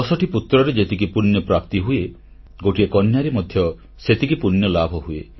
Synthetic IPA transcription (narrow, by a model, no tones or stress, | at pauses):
ɔsɔʈiput̪ɾɔɾed͡ʒet̪ikipunjɔpɾap̚t̪iɦue | ɡoʈiekɔnjaɾimɔd̪ʱjɔ | set̪ikipunjɔlabʱɔɦuḛ